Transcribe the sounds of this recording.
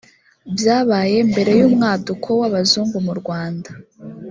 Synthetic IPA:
bjaːβaːje̞mbe̞ɾe̞juːmŋaːdukʰo̞waβazuːŋɡumuɾɡwaːnda

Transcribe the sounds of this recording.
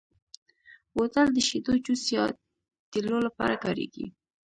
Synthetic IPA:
wot̪ald̪əʃit̪ot͡ʃusjɑ | t̪ilolapɑ̰ɾakɑɾḛɡḭ

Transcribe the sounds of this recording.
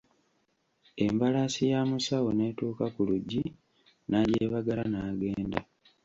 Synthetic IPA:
e̞mbalasijaːmusawo̞ne̞ːtuːkakuluɟːi | naɟeːβaɡalanaːɡe̞ːnda̰

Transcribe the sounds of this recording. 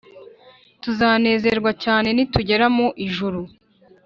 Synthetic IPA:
tuzaːne̞ːzeɾɡwacaːne̞nituɟe̞ɾamoʔiʒuɾu

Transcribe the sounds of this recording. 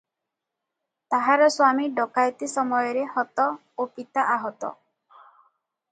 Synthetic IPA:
t̪aɦaɾɔswamiɖɔkajt̪isɔmɔjɔɾehɔt̪ɔ | opit̪aʔaɦɔt̪ɔ̰

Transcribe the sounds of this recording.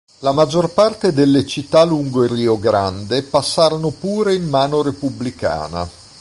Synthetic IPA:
lamad͡ʒːorpart̪ed̪elːet͡ʃit̪ːaluŋɡoiriːoɡɾa̰nd̪epasːaːɾonopuːɾeimːaːnoɾepublika̰ːna̰

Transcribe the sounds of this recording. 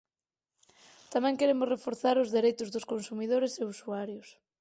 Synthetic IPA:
t̪amɛ̃ŋkeɾemʊsrefoɾθaɾʊzðeɾejt̪ʊzðʊskonsumiðoɾeseusuaɾjʊs

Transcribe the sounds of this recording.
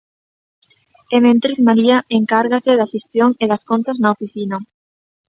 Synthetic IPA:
emẽnt̪ɾikmaɾiaeŋkaɾɣasɪðaʃest̪joŋeðaskont̪ɐznaofiθinɐ

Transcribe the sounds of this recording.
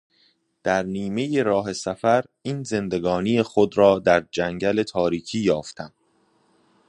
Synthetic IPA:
d̪̥æɾniːme̞jeɾɒːɦe̞sæfæɾ | iːnze̞nd̪e̞ɡɒːnijexod̪ɾɒːd̪æɾd͡ʒæŋɟæle̞t̪ʰɒːɾiːcʰiːjɒːft̪ʰæm

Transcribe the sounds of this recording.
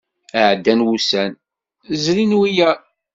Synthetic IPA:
əʕd̪ːænwusæn | zɾinwijæ

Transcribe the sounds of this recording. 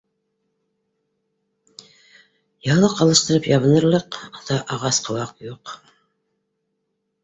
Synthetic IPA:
jɑlˠɤqɑlˠɤ̆ʃt̪ɤ̆ɾɤpjɑβɤ̆nɤ̆ɾlˠɤqðɑʔɑʁɑsqʰɤ̆lˠɑqjuq

